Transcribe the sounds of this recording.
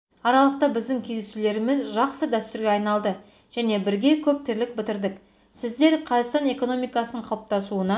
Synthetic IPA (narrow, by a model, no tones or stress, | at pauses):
ɑɾɑlˠəq̚t̪ɑbɪzd̪ɪŋkʲʰed̪esule̞ɾɪmɪzʒɑqsəd̪æst̪ʏɾɡʲeɑjnɑlˠd̪ə | ʒ̥æne̞bɪɾɡʲe̞kʲʰɵp̚t̪ɪɾlɪk̚bɪt̪ɪɾd̪ɪk | sɪzd̪e̞ɾqʰɑzɑt̪st̪ɑne̞ko̞no̞mijkɑsənəɴqʰɑp̚t̪ɑsuənɑ